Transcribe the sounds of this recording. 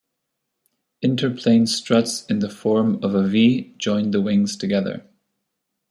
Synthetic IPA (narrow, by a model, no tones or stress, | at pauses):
ɪ̃ntʰə˞pʰl̥ẽɪ̃nstɹ̥ʌtsɨ̃nðəfɔɹmʌvəvid͡ʒɔ̃ɪ̃nðəwɪ̃ŋz̥tʰɨɡɛðə̰˞